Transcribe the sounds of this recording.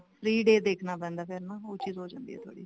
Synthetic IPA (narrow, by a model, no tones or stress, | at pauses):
pʰɾiːɖeːd̪eːkʰnaːpɛ̃ːnd̪aːpʰeɾnaːoːt͡ʃiːzɦoːd͡ʒã̰ːnd̪iːɛ̰ːt̪ʊa̰ːɽiː